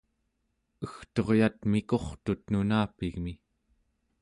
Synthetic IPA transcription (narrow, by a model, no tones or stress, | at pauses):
əxt̪o̞ʁjat̪miko̞χt̪ut̪nunaːpiɣmi